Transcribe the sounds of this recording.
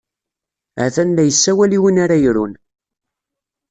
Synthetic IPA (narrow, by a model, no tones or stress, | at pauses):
ʕθænlæjəsːæwæliwənaɾajɾun